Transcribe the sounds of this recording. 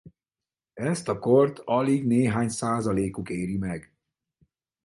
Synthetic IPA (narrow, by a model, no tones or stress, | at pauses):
ɛst̪ɒkort̪ʰɒliɡneːɦaːɲsaːzɒleːkukeːɾimɛɡ